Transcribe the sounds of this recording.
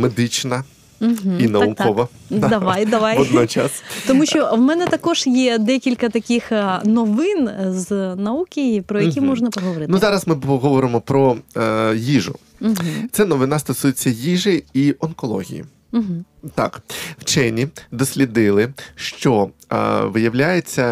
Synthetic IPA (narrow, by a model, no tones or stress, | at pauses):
med̪ɪt͡ʃnɐ | ɦinɐukɔʋɐd̪d̪ɐʋajd̪ɐʋajɔd̪nɔt͡ʃɑst̪ɔmuʃt͡ʃɔwmɛnɛt̪ɐkɔʒjɛd̪ɛkʲilʲkɐt̪ɐkʲixnɔʋɪnznɐukʲɪjpɾɔjɐkʲimɔʒnɐpɔɦɔʋɔɾɪnuzɑɾɐsmɪɔɦɔʋɔɾɪmɔpɾɔ | jiʐʊ̰ | m̩t̪sɛnɔʋɪnɑst̪ɔsujet͡sʲːɐjiʒɪiʔɔnkɔlˠɔ̰ɦʲḭjḭ | ɦ̩t̪ɑ̰kw̥t͡ʃɛnʲid̪ɔsʲlʲid̪ɪlˠɪʃt͡ʃɔ | ʋɪjɐʋlʲajet͡sʲːɐ